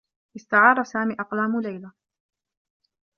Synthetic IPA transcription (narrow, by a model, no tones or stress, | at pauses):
ʔɪst̪aʕɑːɾˤɑsaːmiːʔɑqlaːmʊlajla